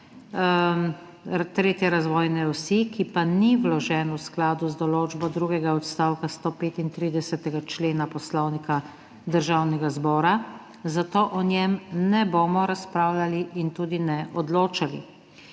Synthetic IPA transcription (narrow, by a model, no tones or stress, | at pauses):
t̪ɾeːt̪jɛɾazʋɔːjnɛɔsikipaniwlɔʒɛːnwsklaːd̪uzd̪ɔloːd͡ʒbɔd̪ɾuːɡɛɡaɔt̪st̪aːwkast̪oːpeːt̪int̪ɾiːd̪ɛsɛt̪ɛɡat͡ʃleːnapɔslɔwnika | d̪əɾʒaːwnɛɡazbɔːɾa | zat̪oːʔɔnjɛmnɛboːmɔɾaspɾaːwlaliʔint̪uːd̪inɛʔɔd̪loːt͡ʃalḭ